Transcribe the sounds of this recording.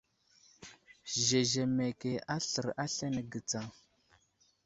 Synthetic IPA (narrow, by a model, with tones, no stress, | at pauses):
ʒe˨ʒe˨me˨ke˨a˦ɬə˨ɾa˦ɬe˦ne˨ɡə˨t͡sa˨ŋ